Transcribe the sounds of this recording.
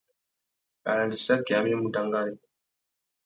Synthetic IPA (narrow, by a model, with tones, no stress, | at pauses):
a̰˨la˨di˨sa˦ki˨a˨m˦ɛ˦mu˨da˨ŋɡa˦ni˨